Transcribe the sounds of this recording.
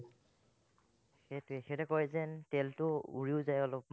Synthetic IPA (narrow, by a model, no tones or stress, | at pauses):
xetexɛtɛkɔɹɛzɛntɛltʊṵɹiʊzajɔlɔp̚m